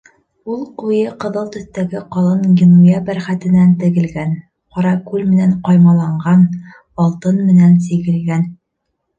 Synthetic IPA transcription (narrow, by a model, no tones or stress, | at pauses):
ulˠqujɤqɤ̆ðɤlˠt̪ɵ̆θt̪æɡɘqɒlˠɤnɡʲinujæbæɾχæt̪ɘ̆nænt̪ɘ̆ɡɘ̆lɡæn | qɒɾɑkʉlmɘ̆næɴqɒjmɑlˠɑɴɢɑn | ɒlˠt̪ɤnmɘ̆nænsiɡɘ̆lɡæn